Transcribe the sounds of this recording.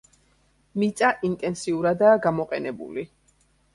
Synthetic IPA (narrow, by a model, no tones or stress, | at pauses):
mit̪sʼaʔint̪ʼɛnsiuɾad̪aːɡamɔqʼɛnɛbṵli